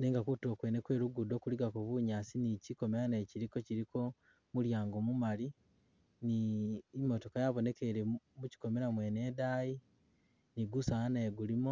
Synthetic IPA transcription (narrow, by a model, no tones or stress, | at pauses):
neːŋɡakutio̞kwenekwe̞ːɾuɡudo̞ːkuliɡakuβuɲaːsiniciko̞meɾaneːciɾiko̞ciɾiko̞ | muljaːŋɡomumali | niːmo̞to̞kajaβo̞ne̞ke̞ɾemuci̥ko̞me̞ɾamwe̞ːne̞ːdaji | niɡusaanaːɡulimo